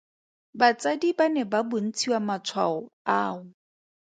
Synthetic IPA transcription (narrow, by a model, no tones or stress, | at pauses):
bat͡sʼadibanɛbabʊn̩t͡sʰiwamat͡sʰwa̰ɔaːʊ